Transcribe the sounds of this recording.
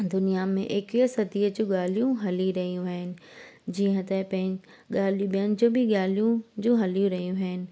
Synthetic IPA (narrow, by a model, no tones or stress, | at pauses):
d̪ʊnijamḛ̃ʔekiəsɐt̪iːəd͡ʑũɠaːlijũɦɐliɾɐɦijũɦɐɦɪnɪ̆ | d͡ʑiːə̃t̪ɐpɐ̃ɦɪ̃ | ɠaːl̤ijũɓijənɪ̆d͡ʑõːbʱɪɠaːlijũd͡ʑũɦɐlijũɾɐɦijũɦɦɪnɪ̆